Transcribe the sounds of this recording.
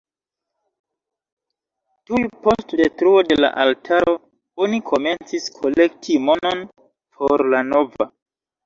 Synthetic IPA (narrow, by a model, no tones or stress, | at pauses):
tujpo̞stde̞tɾuo̞de̞la̰ʔaltʰaɾo̞ | onikʰo̞me̞nt͡siskʰo̞le̞ktʰimo̞non | pʰo̞ɾlano̞va